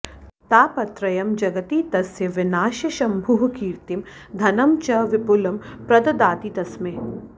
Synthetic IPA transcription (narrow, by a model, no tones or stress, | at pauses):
t̪aːpɐt̪ɾɐjɐmd͡ʒɐɡɐt̪iːt̪ɐsjɐʋɪnaːʃjɐʃɐmbʱuːɦkiːɾt̪im | d̪ʱɐnɐmt͡ʃɐʋɪpʊlɐmpɾɐd̪ɐd̪aːt̪iːt̪ɐsme